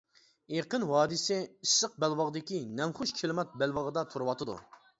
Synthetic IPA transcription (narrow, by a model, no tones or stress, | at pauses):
eqənhɑːd̪ɨsɛiʃsːəq̚bɛlwɑʁd̪ɪkʲinɛmχʊʃkʲʰelˠmɑt̪̚bɛlwɑʁəd̪ɑt̪ʰuɾɨwɑt̪ʰɨd̪ṵ